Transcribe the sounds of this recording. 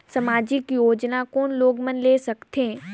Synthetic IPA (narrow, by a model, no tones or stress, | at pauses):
sɐmaːd͡ʒɪkjoːd͡ʒnakɔːnloːɡmɐnleːsɐkt̪ẽː